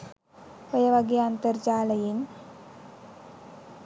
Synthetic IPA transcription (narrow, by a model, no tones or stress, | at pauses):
pɐjɐʋɐɡjɐːnt̪ɐrt͡ɕaːlɐjin